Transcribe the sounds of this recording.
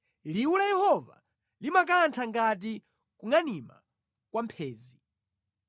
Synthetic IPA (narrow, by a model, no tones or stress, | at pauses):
liulajɛhɔva̰ | limakantʰaŋɡat̬i | kuŋanima̰ | kwampʰɛːzi